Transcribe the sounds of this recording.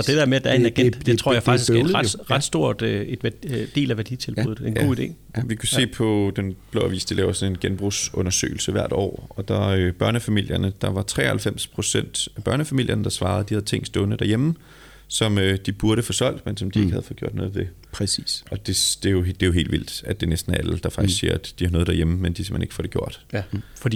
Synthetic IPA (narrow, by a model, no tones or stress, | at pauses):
ɒ̽d̥ed̥eɐmed̥ææɐenæɡ̥en̰d̥d̥et͡sʰʁo̝ɐ̰jɑ̈ɪfɑɡ̥d̥isɡʁaʁɑd̥sd̥o̝ɐ̰d̥e̝d̥ʋd̥e̝̰ːlæʋæɐd̥it͡sʰe̝lb̥uð̩ˠenɡo̝̰ːid̥e̝̰ː | ʋikʰuse̝̰ːpʰɒ̽d̥enb̥lo̰æʋḭːsd̥ilɛːʊɐsɒ̽ne̝nɡ̥enb̥ʁusɔ̽nɐsø̰ːɪl̩səʋæɐ̰d̥ɒ̰ːɒ̽d̥ɑ̈øb̥ɶɐnəfæmil̰jɐnəd̥ɑ̈ʋɑ̈t͡sʰʁɛ̰ːhælfem̰spʰʁo̝sen̰d̥æb̥ɶɐnəfæmil̰jʔɐnəd̥ɑ̈sʋɑ̈ːð̞̩ˠd̥ihæðˠt͡sʰe̝ŋ̰sd̥ɔnəd̥æɐjem | sɒ̽mød̥ib̥uɐɾəfɔ̽sɒ̽l̰d̥mensɒ̽md̥ie̝ɡəhæð̞̩ˠfɔɡ̥o̝̰d̥nɔ̽ːð̩ˠʋe̝ | pʰɛsisɒ̽d̥e̝sd̥e̝jod̥e̝joɦe̝̰ːldʋil̰d̥æd̥e̝nesd̥n̩ææld̥ɑ̈fɑ̈ɡ̥isiɐ̰æd̥d̥ihɑnɔðˠd̥æɐjemmend̥isḛmḛne̝ɡ̥fɒɾe̝ɡ̥jo̝ɐ̰d̥fd̥i